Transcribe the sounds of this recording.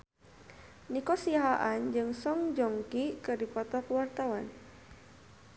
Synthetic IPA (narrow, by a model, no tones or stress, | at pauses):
nikɔsiaɦaʔand͡ʒɨŋsɔŋd͡ʒɔŋkikərdipɔt̪ɔkəwart̪awan